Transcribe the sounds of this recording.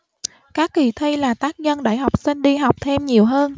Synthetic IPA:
kaː˦˥kːi˧˨˩t̪ʰi˧laː˨˩t̪aː˦˥k̚ɲə˧nɗa̰ː˧˩jɦwk͡p̚si˧nɗi˧ɦa˨˩wk͡p̚t̪ʰe˧mɲi˨˩əwɦəː˧n

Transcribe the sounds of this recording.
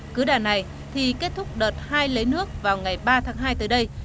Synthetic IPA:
kɨ˨˦ɗaː˨˩na˨˩j | t̪ʰi˨˩ke˦˥t̚t̪ʰʊ˦˥k͡p̚ɗəː˨˩t̚haː˧jlə˨˦jnɨ˦˥ək̚vaː˨˩wŋa˨˩jɓaː˧t̪ʰaː˨˦ŋɦaː˧jt̪ɨ̰˨˩ɗə˧j

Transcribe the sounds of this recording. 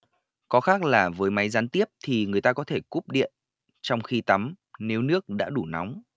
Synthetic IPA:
kɔ˨˦xaː˦˥k̚laː˨˩vəː˨˦jma˨˦jzaː˨˦nt̪i˦˥əp̚t̪ʰi˨˩ŋɨ˨˩əjt̪aː˧kɔ˨˦t̪ʰe˧˩ku˦˥p̚ɗḭ˧˨ən | t͡ɕɔ˧wŋ͡mxi˧t̪a˨˦m | ne˨˦wnɨ˦˥ək̚ɗa̰ː˧˥ɗu˧˩na̰˨˦wŋ͡m

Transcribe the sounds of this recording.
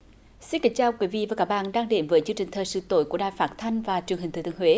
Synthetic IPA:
si˧nkə˨˦k̚t͡ɕaː˧˩wkwi˨˦vḭ˧˨vaː˨˩kaː˦˥k̚ɓa̰ː˧˨nɗaː˧ŋɗe˨˦mvəː˨˦jt͡ɕɨ˧əŋt͡ɕï˨˩ŋ̟t̪ʰəː˨˩jsɨ̰˧˦t̪o̰˧˦jku˧˩əɗaː˧˨jfaː˦˥t̚t̪ʰa˧jŋ̟vaː˨˩t͡ɕɨ˨˩əŋɦi˨˩ŋ̟t̪ɨ̰˧˦t̪ɨ˧˨ŋhwe˨˦

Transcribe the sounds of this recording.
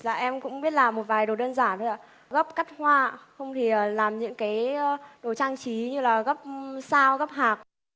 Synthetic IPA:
laː˨˩ʔɛ˧mkʊ̰˧˥ŋ͡mɓi˦˥ət̚laː˨˩mːo˨˩t̚vaː˨˩jɗo˨˩ɗəː˧nzaː˧˩nt̪ʰo˧jʔa̰ː˧˩˦ | ɣə˦˥p̚ka˦˥jk̟̚hwaː˧xə˧wŋ͡mt̪ʰi˨˩ʔəː˨˩laː˨˩mɲɨ̰˧˥ŋkaː˨˦jɗo˨˩t͡ɕaː˧ŋt͡ɕi˨˦ɲɨ˧laː˨˩ɣə˦˥p̚saː˧wɣə˦˥p̚ɦaː˨˩k̚

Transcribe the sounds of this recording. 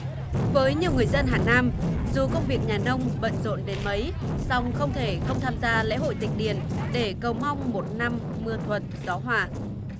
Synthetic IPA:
vəː˨˦jɲɨ˧əwŋɨ˨˩əjzə˧nɦaː˨˩naː˧mzu˨˩kə˧wŋ͡mvi˨˩ək̚ɲaː˨˩nə˧wŋ͡mɓə̰˧˨nzo̰˧˨nɗe˨˦nmə˨˦j | sɔ˧wŋ͡mxə˧wŋ͡mt̪ʰe˧˩xə˧wŋ͡mt̪ʰaː˧mzaː˧lɛ̰˧˥hɦo̰˧˨jt̪ï˨˩ŋ̟̚ɗi˨˧˩ənɗe˧˩kə˨˩wma˧wŋ͡mmo˨˩t̚na˧mːɨ˧ət̪ʰwə˨˩t̚zɔ˨˦ɦwaː˧˩

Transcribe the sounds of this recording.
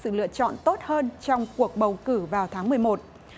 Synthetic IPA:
sɨ̰˧˨lɨ̰˧˨ət͡ɕɔ̰˧˨nt̪o˦˥t̚həː˧nt͡ɕɔ˧wŋ͡mku˨˩ək̚ɓə˨˩wkɨ˧˩vaː˨˩wt̪ʰaː˨˦ŋmɨ˨˩əjmo˨˩t̚

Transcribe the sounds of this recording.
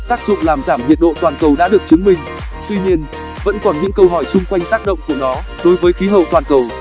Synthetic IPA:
t̪aː˦˥k̚zʊ̰˧˨ŋ͡mlaː˨˩mzaː˧˩mhḭ˧˨ən̚ɗo̰˧˨t̪waː˨˩nkə˨˩wɗa̰ː˧˥ɗɨ˨˩ək̚t͡ɕɨ˨˦əŋmï˨˩ŋ̟ | t̪wi˧ɲi˧ən | və̰˧˥nkɔ˨˩nɲɨ̰˧˥ŋkə˧wɦɔ˧˩jt͡ɕʊ˧ŋ͡mkwa˧jŋ̟t̪aː˦˥k̚ɗə̰˧˨wŋ͡mku˧˩ənɔ˨˦ | ɗo˨˦jvəː˨˦jxi˨˦ɦə̰˧˨t̪waː˨˩nkə˨˩w

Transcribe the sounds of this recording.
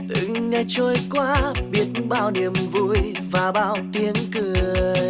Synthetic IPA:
t̪ɨ̰˧˨ŋɲə˧˩t͡ɕɔ˧jkwaː˧˦ɓi˦˥ət̚nɓaː˧wni˨˩əmvṵ˧j | vaː˨˩ɓa̰ː˧˩wt̪i˧˦ənkɨ˨˩əə

